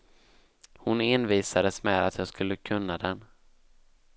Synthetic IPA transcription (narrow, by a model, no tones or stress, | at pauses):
hʊnɪnviːsad̪əsmɛːd̪at̪jɑːɡskɵlːəkʰɵnːad̪ɛn